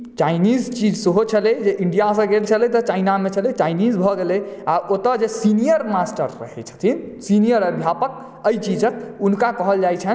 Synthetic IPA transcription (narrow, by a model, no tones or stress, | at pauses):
t͡ʃaɪnid͡ʒt͡ʃid͡ʒsəɦot͡ʃʰəlɛd͡ʒeʔiɳɖijasə̃ɡelt͡ʃʰəlɛt̪ɔt͡ʃainamet͡ʃʰəlɛt͡ʃainid͡ʒbʱɔɡelɛaʔot̪əd͡ʒesinijəɾmasʈəɾːə̰ɦɛ̰t͡ʃʰə̥t̪ʰin | sinijəɾəbʱjapək̚ | əjt͡ʃid͡ʒək̚unkakəɦəld͡ʒajt͡ʃʰən